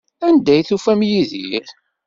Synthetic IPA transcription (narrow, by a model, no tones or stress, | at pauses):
ænd̪æjθufæmjiðiɾ